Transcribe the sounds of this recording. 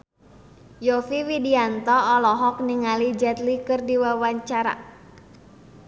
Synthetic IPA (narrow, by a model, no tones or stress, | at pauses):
jofiwidiant̪ɔːlɔɦɔk̚niŋalid͡ʒɛt̪likɨrdiwawaɲt͡ʃaɾa̰